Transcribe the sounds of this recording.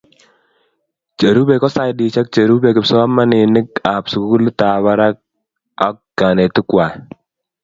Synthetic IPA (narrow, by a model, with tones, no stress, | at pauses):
t͡ʃa˨ɾu˦bɛ˨kɔ˦sa˦jdi˨t͡ʃa˦k̚t͡ʃe˨ɾu˦bɛ˨kɪ˨psɔ˦a˦ma˦nɪ˨nɪ˦ka˨psu˨ku˦ku˦lta˨βa˦ɾa˦k̚ | a˦k̚ɡa˨ne˨tɪ˦kwa˨